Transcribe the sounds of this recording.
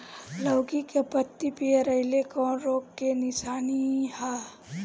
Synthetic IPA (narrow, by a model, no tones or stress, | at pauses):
ləʊɡikepət̪ːipieɾəɦɪlekɔ̃ɾoːɡkːenɪsaːniha